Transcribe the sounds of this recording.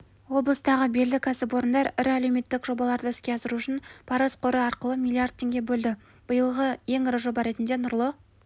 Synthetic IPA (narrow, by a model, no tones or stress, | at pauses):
wo̞blˠəst̪ɑʁəbelːɪkʲʰæsɪpwo̞ɾənd̪ɑɾɪɾæle̞wme̞t̪ːɪkʒo̞bɑlˠɑɾd̪əɪskʲe̞ɑsəɾuʊʃɪnpʰɑɾɑsqʰoɾəɑɾqəlˠəmʲilˠːijard̪̚tʰːe̞ŋɡʲe̞bɵld̪ɪ | b̥əjəlˠʁəje̞ŋɪɾɪʒo̞bɑɾe̞t̪ɪnd̪e̞nʊɾlˠə